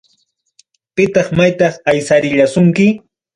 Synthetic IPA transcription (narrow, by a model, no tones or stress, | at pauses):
pɪt̪ɑχmajt̪ɑχajsaɾɪʎasʊŋkɪ